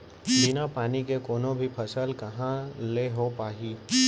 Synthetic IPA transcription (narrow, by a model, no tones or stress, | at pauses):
binapaːnikekoːnõbʱipʰəsəlkɐɦãleɦopaːɦiː